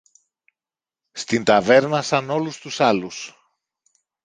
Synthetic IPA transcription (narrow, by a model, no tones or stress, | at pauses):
st̪int̪ɐve̞ɾnɐsɐno̞lust̪usɐlus